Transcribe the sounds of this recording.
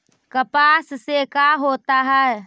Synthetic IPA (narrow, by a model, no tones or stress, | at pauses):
kəpassekaɦot̪aɦɛe